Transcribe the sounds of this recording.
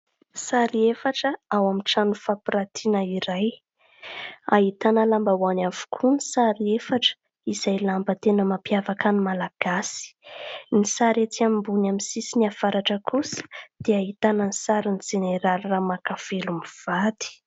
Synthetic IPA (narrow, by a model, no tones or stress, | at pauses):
saɾiefaʈ͡ʂəawamiʈ͡ʂanufapiɾat̪ʰinəiɾaj | aɦit̪anəlambawanavu̥kʰunisaɾiefaʈ͡ʂə̥ | izajlambət̪enəmapjavakanimalaɡ̥asi̥nisaɾet͡s̪iamimbunaminsisiniafaɾaʈ͡ʂəkʰusə̥d̪̥eaɦit̪anənisaɾinizeneɾalramakafelumiv̥at̪i̥